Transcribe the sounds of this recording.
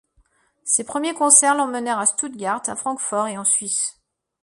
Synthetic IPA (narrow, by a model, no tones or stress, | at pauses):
sepχəmjekɔ̃sɛʁlɑ̃mənɛʁast̪ut̪̚ɡʲaʁt̪afχɑ̃kfɔʁeɑ̃sɥis